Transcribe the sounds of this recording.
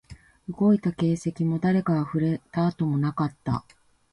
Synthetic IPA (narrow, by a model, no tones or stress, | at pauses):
ɯ̟ɡo̞it̪ake̞ːse̞kʲimo̞d̪aɾe̞kaaɸɯ̟ɾe̞t̪aːt̪o̞mo̞nakat̪ːa̰